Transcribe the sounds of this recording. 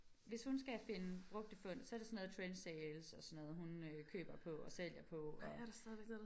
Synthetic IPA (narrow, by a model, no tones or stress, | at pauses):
ʋe̝shunsɡ̥æfe̝nəb̥ʁɔ̽ɡ̥̚d̥əfɔ̽n̰sɒ̽ɐdɾe̝sɒnːɔːð̩ˠt͡sʰʁen̥seːlsɒ̽sɒnːɔ̽ːðˠɦunøkʰø̰ːb̥ɐpʰɒ̽ɒ̽sel̰jɐpʰɒ̽ɒ̽ɐɾ̥asdɛðˠʋeɡ̥nˠ